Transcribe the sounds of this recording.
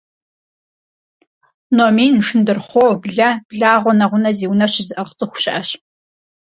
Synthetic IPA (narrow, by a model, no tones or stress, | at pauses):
nomiːnʃɪndɨrχʷowbɮɐb̥ɮaːʁʷɔnɐʁʷʊnɐziːwnɐɕɪzɨʔɐʁət͡sʼɨxʷʊ̥ɕʼʔɐɕ